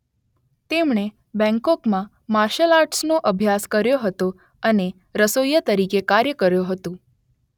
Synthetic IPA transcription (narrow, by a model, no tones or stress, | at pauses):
t̪emɳe | bɛ̃ŋkɔkmã | maɾʃəlaɾʈsnoʔəbʱjaskəɾjoɦət̪o | əne | ɾəsojət̪əɾikekaɾjəkəɾjoɦət̪ũ